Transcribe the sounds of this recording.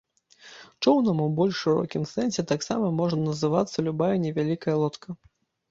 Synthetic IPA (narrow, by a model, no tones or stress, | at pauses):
t͡ʂɔwnɐmuwbɔlʲʂʂɨɾɔ̰kʲimsɛnsʲɛt̪aksamɐmɔʐnɐnɐzɨvat̪sːɐlʲubajɐnʲɛvʲalʲikɐjɐlˠɔt̪kʰɐ